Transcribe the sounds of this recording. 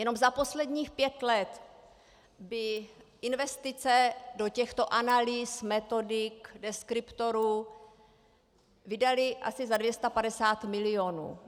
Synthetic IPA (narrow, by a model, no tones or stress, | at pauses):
jɛno̞mzapo̞slɛdɲiːxpjɛt̪lɛt̪ | bɪʔɪnvɛst̪ɪt͡sɛdocɛxt̪o̞ʔanalismɛt̪o̞dɪkdɛskɾɪpt̪o̞ɾuː | vɪdalɪʔa̰sɪzadvjɛst̪apadɛsaːt̪mɪlɪo̞nṵː